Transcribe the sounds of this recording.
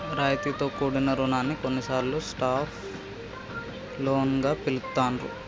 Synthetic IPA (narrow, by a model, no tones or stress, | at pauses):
ɾaːjt̪it̪o̞ːkuːɽinɐɾuɳaːnːikonːisaːɾlusʈaːpʰ | loːnɡaːpilut̪ːaːnɾṵ